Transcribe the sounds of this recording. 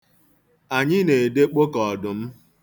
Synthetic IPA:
a˨ɲɪ˦ne˨de˦k͡po˦kɔ˨dʊ˨m̩˦

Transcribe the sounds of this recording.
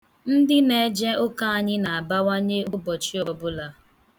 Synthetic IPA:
n̩˦dɪ˦ne˦˨˦d͡ʒe˦o˦ka˦a˦˨ɲɪ˦na˨a˨ba˦wa˦ɲe˦ʊ˦bɔ˨t͡ʃi˦ɔ˨bʊ˦la˨

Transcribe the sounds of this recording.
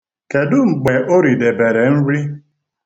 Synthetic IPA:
ke˨dʊ˦ŋ͡m̩˨ɡ͡be˨ʔo˦ɾi˨de˨be˨ɾe˨n̩˦ɾi˦

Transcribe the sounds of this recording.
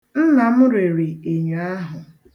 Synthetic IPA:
n̩˦na˨m̩˦ɾe˨ɾi˨e˨ɲ˨a˦ɦʊ˨

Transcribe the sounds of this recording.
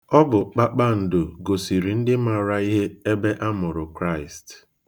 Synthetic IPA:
ɔ˦bʊ˨k͡pa˦k͡pa˦n̩˨dʊ˨ɡo˨si˨ɾi˨n̩˦dɪ˦ma˨ɾa˨i˦ɦe˦e˦be˦ʔa˦mʊ˨ɾʊ˨kɾa˦˨ɪ˨st

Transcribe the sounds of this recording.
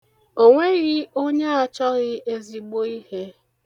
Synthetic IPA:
o˨ŋʷe˦ɣɪ˦o˦ɲe˦a˨t͡ʃɔ˦ɣɪ˦e˦zi˨ɡ͡bo˦i˦he˦

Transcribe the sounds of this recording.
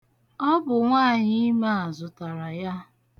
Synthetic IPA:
ɔ˦bʊ˨ŋʷaː˦˨ɲɪ˦i˦ma˦a˨zʊ˨ta˨ɾa˨ja˦

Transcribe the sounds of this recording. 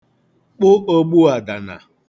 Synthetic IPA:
k͡pʊ˦o˦ɡ͡bu˦a˨da˨na̰˨

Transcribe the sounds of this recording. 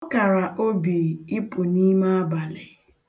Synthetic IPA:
ka˨ɾa˨ʔo˦bi˨ɪ˦pʊ˨ni˦ma˦a˦ba˨lɪ˨

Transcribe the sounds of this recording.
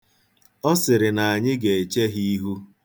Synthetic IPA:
ɔ˦sɪ˨ɾɪ˨na˨a˨ɲɪ˦ɡe˨e˨t͡ʃe˦ɦi˦ɦu˦

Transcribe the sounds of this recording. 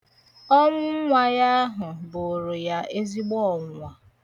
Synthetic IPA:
ɔ˦ŋʷʊ˦ŋ̩˦ŋʷa˨ja˦ɦʊ˨bʊ˨ɾʊ˨ja˦ʔe˦zi˦ɡ͡bɔ˦˨ŋʷ˨a˨

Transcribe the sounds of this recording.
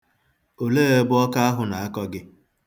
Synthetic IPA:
o˨leː˦e˦bʊ˦ɔ˦ka˦a˦ɦʊ˨˦na˨a˦kɔ˦ɡɪ˦

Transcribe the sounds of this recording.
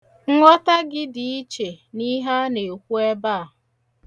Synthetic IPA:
ŋ̩˦ŋɔ˦ta˦ɡɪ˦di˨i˦t͡ʃe˨ni˦ɦa˦ne˨kʷu˦e˦ba˦˨a˨

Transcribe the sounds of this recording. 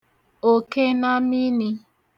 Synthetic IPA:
o˦˨ke˦na˦mi˦ni˦

